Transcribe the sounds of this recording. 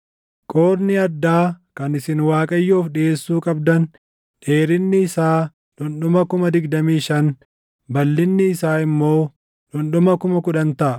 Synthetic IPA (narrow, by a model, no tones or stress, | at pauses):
kʼoːɾnɪɐd̪ːaːkɐnɪsɪnwaːkʼɐjːoːfᶑɪeːsːuːkʼɐbd̪ɐn | ᶑe̞ːɾɪnːɪːsaː | ᶑʊnɗʊmɐkʊmɐd̪ɪɡd̪ɐmiːʃɐn | bɐlːɪnːɪːsaːɪmːo̞ː | ᶑʊnɗʊmɐkʊmɐkʊᶑɐnt̪ɐʔɐ